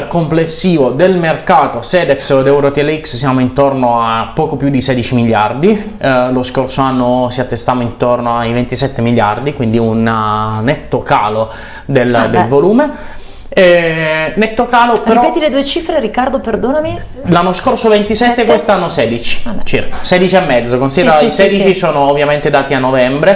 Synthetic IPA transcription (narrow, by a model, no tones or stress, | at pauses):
rkomplesːiːvod̪elmerkaːt̪osɛːd̪ɛksd̪ɛuɾot̪ɛlːeikssjaːmoint̪ornoapːɔːkopjud̪isɛd̪it͡ʃimiʎjard̪i | loskorsoanːosiat̪ːest̪aːmoint̪ornoaivent̪isɛt̪ːemilːjard̪ikwind̪iunːɛt̪ːoka̰ːlo | d̪eld̪elvoluːme | ɛnɛt̪ːokaːlopɾeiɾɔpɛːt̪iled̪uːet͡ʃiːfɾeɾikːard̪operd̪oːnami | lanːoskorsovent̪isɛt̪ːekwest̪oanːosɛːd̪it͡ʃi̥t͡ʃirkḁsɛːd̪it͡ʃiɛmːɛd̪zːokonsid̪eɾaisɛːd̪it͡ʃisoːnoːvːjament̪ed̪aːt̪ianːovɛmbɾe